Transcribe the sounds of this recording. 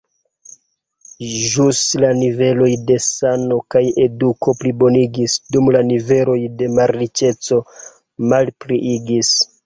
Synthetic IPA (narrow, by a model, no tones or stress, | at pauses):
ʒuslanive̞lo̞jde̞sano̞kaje̞duko̞plibo̞niɡisdumlanive̞lo̞jde̞maɾit͡ʃe̞t͡so̞ | malpɾiʔiɡis